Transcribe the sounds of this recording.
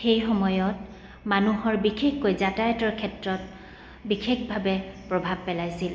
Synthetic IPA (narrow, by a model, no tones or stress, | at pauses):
xejxɔmɔjɔt | manuɦɔɹbixʰexkojzatajtɔɹkʰɛtɹɔt̚ | bixʰexbʱabɛpɹɔbʱab̚pɛlajsil